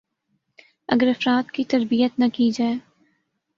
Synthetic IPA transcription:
ɐ̰ɡəɾɐfɾaːt̪kit̪ɐɾbijət̪nɐkid͡ʒaːe

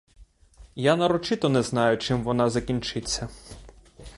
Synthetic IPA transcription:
janɐɾɔt͡ʃɪt̪ɔnɛznɑjʊt͡ʃɪmʋɔnɑzɐkʲinʲt͡ʃɪt͡sʲːɐ

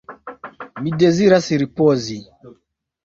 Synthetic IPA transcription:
midɛziɾasiɾipɔzi

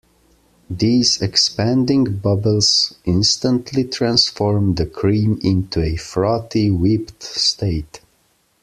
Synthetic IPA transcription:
ðizɛkspæ̃ndɪ̃ŋbʌbəlˠz̥ʔɪ̃nstə̃ntʰlitʰɹæ̃nsfɔɹmðɨkʰɹĩmɪ̃ntʰuɛfɹɔtiwɪptsteɪt

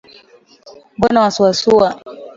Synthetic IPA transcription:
bɔnawasuwasuwa

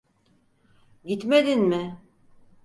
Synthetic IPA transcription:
ɟit̪med̪inmɪ

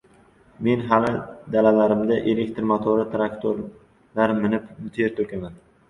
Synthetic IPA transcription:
me̞nɦalɪd̪alalaɾɪmd̪aʔelekʲt̪ɾmat̪ʰoɾɪt̪ʰɾakt̪ʰoɾ | laɾmɪnɪpmɪt̪ʰeɾt̪ʰɵɾkʲaman

